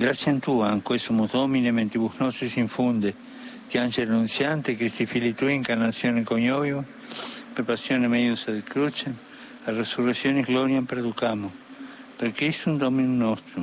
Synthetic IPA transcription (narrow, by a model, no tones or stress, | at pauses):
ɡɾasjant̪uaŋkwesomoðominement̪iβunosesiɱfund̪e | k̪ianʃelnũnsjant̪ekɾist̪ifilit̪uiŋkaɾnasjonekoɲoβiβo | pepasjonemeðjuseðekɾut͡ʃem | aresureksjoneɣloɾjampeɾeðukamo | peɾkɾist̪und̪ominunost̪ɾu